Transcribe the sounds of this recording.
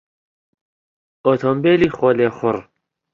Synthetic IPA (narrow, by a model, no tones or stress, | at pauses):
ot̪ʰombeːlixolexʊɾ